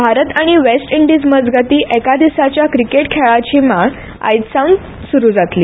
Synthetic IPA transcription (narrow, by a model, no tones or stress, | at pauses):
bʱaɾət̪aɽ̃iʋesʈiɳɖid͡zməd͡zɡat̪iːʔekad̪isat͡ɕjakɾikeʈkʰeɭat͡ɕiːma | a̰jt̪sawn | suɾuːd͡zat̪liː